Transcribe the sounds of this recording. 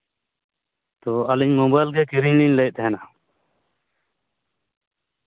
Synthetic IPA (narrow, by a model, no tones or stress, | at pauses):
t̪ɔaliɲmɔbajlɡɛkiɾiɲliɲlɛj̚t̪ʰɛɦɛna